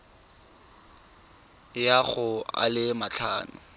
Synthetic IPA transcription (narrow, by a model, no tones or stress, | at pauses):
jaɣʊa̰lɪmat͡ɬʰaːnʊ̰